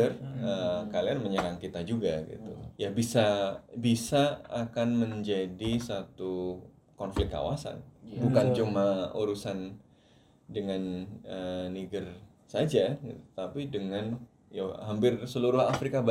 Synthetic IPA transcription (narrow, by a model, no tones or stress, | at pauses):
ərəkalianməɲəɾaŋkit̪ad͡ʒuɡaɡḭt̪ujabisabisaːkanməɲd͡ʒadisat̪u | kɔnflɪkkːa̰wa̰sa̰nbukant͡ʃumaṵɾusan | dəŋanəniɡər | sad͡ʒaɡit̪u̥t̪apidəŋan | ja̰hampɪrsəluɾʊɦafɾikab